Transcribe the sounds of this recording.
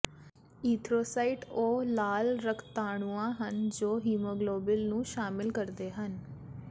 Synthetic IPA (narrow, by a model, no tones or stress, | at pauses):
iːt̪ʰɾoːsaːɪʈoːlaːlɾəkʰt̪aːɽ̃uːãːɦənd͡ʒoːɦiːmoːɡloːbɪlnũːʃaːmɪlkəɾd̪eːɦən